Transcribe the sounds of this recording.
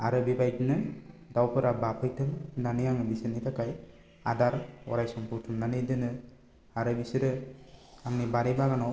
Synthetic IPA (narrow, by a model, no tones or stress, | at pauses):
a̰ɾɯbibajtɯnɯd̪awpɯɾabapʰɯjtʰɯmnanijaŋbisɯnit̪akaj | a̰d̪aɾwɔ̰ɾajsɔmpuʈʰɯmnanid̪ɯnɯ | aɾɯbisɯɾɯ | aŋnibaɾijbaɡanɔ